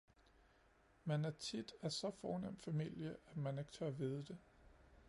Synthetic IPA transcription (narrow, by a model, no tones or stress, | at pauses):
mænæɐt͡sʰid̥æɐsɒ̽fɒːnem̰d̥fæmil̰jəʔæd̥mæne̝ɡ̥t͡sʰɶɐʋið̞ˠəd̥e̝